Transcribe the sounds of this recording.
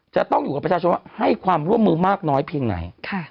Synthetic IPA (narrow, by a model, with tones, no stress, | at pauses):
t͡ɕa˨˩t̪ɔ˥˩ŋjuː˨˩a˨˩pɾa˧˩t͡ɕaː˧o˧nwa˥˩ha˥˩jkʰwaː˧mɾu˥˩əmːɯː˧maː˥˩k̚nɔː˦˥jpʰiː˧əŋna̰˩˦jkʰa˥˩